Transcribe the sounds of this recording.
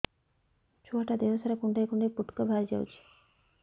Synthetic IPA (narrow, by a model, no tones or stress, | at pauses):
t͡ɕʰuaʈad̪eʋəsaɾakuɳɖajkuɳɖepuʈkəbʱaɾd͡ʑa̰wt͡ɕʰi̥